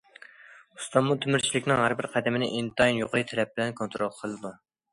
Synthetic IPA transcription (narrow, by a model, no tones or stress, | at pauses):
u̥st̪ɑmːut̪ʰymyɾt͡ʃʰilɪkʲnɪŋhæɾbɪɾqʰæd̪ɪmɪnɪ̰ʔint̪ʰɑinjoqəjt̪ʰɛlɛp̚bɪlɛnkʰont̪ɾolˠqʰəlˠɨd̪u